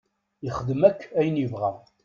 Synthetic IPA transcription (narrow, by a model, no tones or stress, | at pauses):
əχəd̪əmækːæjənjəvʁæ